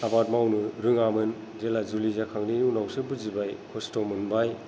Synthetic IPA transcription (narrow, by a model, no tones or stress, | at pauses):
abat̚mawnɯɾɯŋamɯn | d͡ʒelazulizakʰaŋniunawsɯbɯzibajkʰɔstɔmɯnbaj